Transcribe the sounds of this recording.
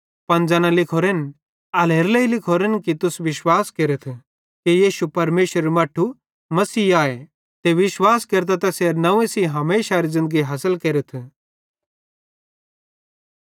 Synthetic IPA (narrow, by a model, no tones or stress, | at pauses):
pɐnd͡ʒɐːnãlɪkʰoːɾen | ɐleːɾleilɪkʰoːɾenkit̪ʊsʋɪʃwaːskeːɾət̪ʰ | kijiːʃupɐɾmeːʃəɾemaːʈʰːu | mɐsiːaːe | t̪eʋɪʃwaːskeːɾt̪at̪ɐseːɾnɐʋẽsiɦɐmeːʃaɾizɪ̃nd̪əɡiɦɐsəlkeːɾət̪ʰ